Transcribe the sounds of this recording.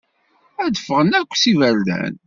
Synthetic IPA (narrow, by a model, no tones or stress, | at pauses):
æd̪əfːəʁənækʷːsivəɾlæ̰n